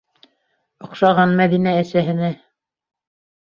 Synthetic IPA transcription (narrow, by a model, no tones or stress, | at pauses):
ŏqʃɑʁɑnmæðinæːsæɦɘ̆næ